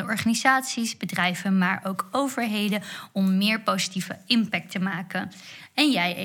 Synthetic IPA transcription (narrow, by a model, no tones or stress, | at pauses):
əʔɔɹχaːnizaːtsisbədrɛjvənmaːɹʔowkowvəɹɦejdəɔmːɪːɹpowzi̥tivəɪmpɛk̚təmaːkənɛnjɛj